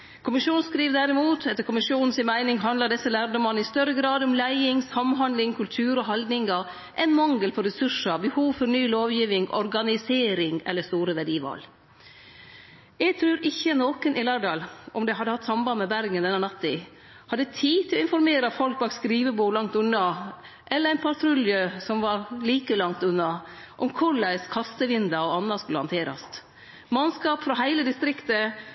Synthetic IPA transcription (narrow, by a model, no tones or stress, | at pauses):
kʰʊmɪʃuːn̩skɾiːʋd̪æɾɪmuːt̪ʰɛt̪ːəɾkʊmɪʂjuːnn̩sɪnmæɪnɪŋɦɑnd̪ləd̪ɛsːəlæːɾd̪ɔmɑnɪst̪œɾəɡɾɑːd̪ɔmlæɪɪŋsɑmɦɑnlɪŋkʰʉlt̪ʰʉːɾɔɦɑld̪nɪŋɑ | ʔɛɪnmɑŋːəlpʰɔɾɛsʉʂəbəhuːʋfɔɾnyːloːʋjiːʋɪŋʔɔ̰ɾɡɑnɪseːɾɪŋɛ̰lːəst̪uːɾəʋæɖiːʋɑ̰l | jæɡt̪ʰɾʉːɾɪçːənoːkənʔɪlɑɖɑːlʔɔmd̪ɛɦɑd̪ːəhɑt̪ːsɑmbɑnmɛbæɾɡənd̪ɛnːənɑt̪ːɪ | hɑd̪ːət̪ʰiːt̪ʰɪlɔɪnfɔɾmeːɾɑt̪fɔlk̚bɑːk̪skɾiːʋəbuːlɑŋt̪ʉnːɑ | ʔɛləɾæɪnpʰɑɾt̪ʰɾʉljøsɔmʋɑɾliːkəlɑŋt̪ʉnːɑ | ʔɔmkʰʊɭæɪskʰɑst̪əʋɪnd̪ɑɔɑnːɑskʉlːəhɑnt̪ʰeːɾɑ̰st̪ | mɑnskɑːpfɾɑɦæɪləd̪ɪst̪ɾɪkt̪ə